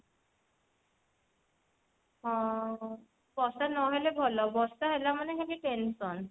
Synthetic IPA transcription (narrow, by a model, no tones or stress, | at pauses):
ɦɔ̃ | b̥ɔssanɔɦelebʱɔlɔbɔstaɦelamanekakiʈensɔn